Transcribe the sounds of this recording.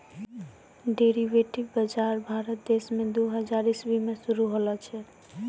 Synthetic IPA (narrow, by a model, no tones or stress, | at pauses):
ɖeɾiʋeʈibbəd͡ʒaɾbʱaɾət̪̚d̪esmed̪uɦəd͡ʒaɾisbimesuɾuɦolɔt͡ʃʰɛ